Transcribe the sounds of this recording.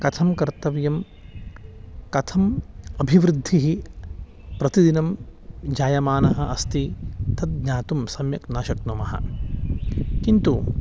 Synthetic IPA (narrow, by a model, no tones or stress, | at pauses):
kɐt̪ʰɐmkɐɾt̪ɐʋjɐm | kɐt̪ʰɐmɐbʱiʋɾɪd̪ʱːiɦi | pɾɐt̪id̪inɐmd͡ʒaːjɐmaːnɐɦɐʔɐst̪it̪ɐd̪̚ɲaːt̪umsɐmjɐ̰knaːʃɐknɐmɐɦɐ̰ | kint̪u